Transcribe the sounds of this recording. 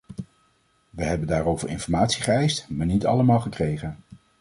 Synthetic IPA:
ʋəɦɛbəndaːɾowvə̰ɹɪ̰nfɔɹmaːtsiχəɛjstmaːɹnitɑ̰ləmaːlˠχəkrejχən

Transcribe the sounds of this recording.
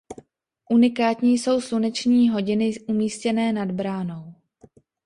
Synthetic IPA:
ʔunɪkaːt̪ɲiːjso̞wsunɛt͡ʃɲiːɦo̞ɟɪnɪʔumiːscɛnɛːnadbɾaːno̞w

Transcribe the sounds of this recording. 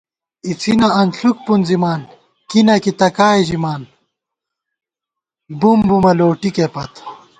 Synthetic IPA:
it͡sʰinɐɐnɬuk̚punzimaːn | kinɐkit̪ɐkaːed͡ʑimaːn | bumbumɐloːʈikepɐt̪

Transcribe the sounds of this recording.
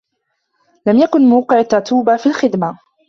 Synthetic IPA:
lamjakʊnmaːqɨʕat̪ːɑɾˤt̪uːbafiːlxɪd̪ma

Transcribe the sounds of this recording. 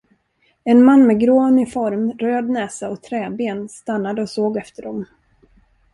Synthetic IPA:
ɛnmanːmɛɡɾoːnɪfɔɾmɾøːd̪nɛːsaɔt̪ʰɾɛːbeːnst̪anːad̪əɔsoːɡɛft̪əɖɔm

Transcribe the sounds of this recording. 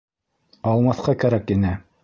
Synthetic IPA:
ɑlˠmɑθqɑkæɾækinɘ

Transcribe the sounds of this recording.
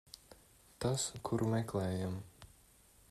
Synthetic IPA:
t̪askʰuɾʔumɛklɛːjam

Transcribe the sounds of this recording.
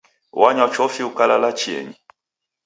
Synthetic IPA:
waɲat͡ʃɔfiukalalat͡ʃiɛ̰ɲi

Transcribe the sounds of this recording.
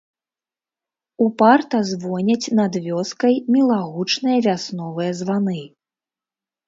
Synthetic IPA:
upart̪ɐzvɔnʲɐt͡sʲnɐd̪vʲɔskɐjmʲilˠaɣut͡ʂnɨjɐvʲasnɔvɨjɐzvanɨ

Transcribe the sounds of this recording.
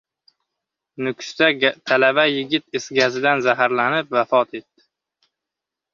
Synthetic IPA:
nʊkʰʲst̪at̪ʰalabajɪɡʲɪt̪ɪsɡʲazɪd̪anzaɦaɾlanɪp̚vafɒt̪e̞t̪ːɪ̥

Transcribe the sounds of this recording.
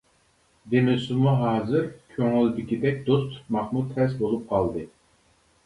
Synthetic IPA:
d̪emɪsɪmuɦɑːzɨɾkʲʰøŋɪld̪ɪkʲid̪ɛkʲd̪ost̪mɑχmud̪χɛsbolˠup̚qʰɑlˠd̪ɨ

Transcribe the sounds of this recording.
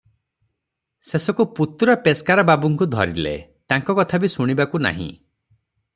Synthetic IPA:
sesɔkuput̪ɾɔpeskaɾɔbabuŋkud̪ʱɔ̰ɾḭlḛt̪aŋkɔkɔt̪ʰabisuɽ̃ibakuna̰ɦḭ̃

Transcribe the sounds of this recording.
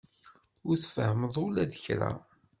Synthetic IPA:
ʊɾθfəhəməðˤʊlæðəçɾæ̰

